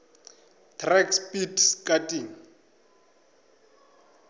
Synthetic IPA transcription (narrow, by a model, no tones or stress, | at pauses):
tʰrɛkspʼitskʼatʼiːŋ̩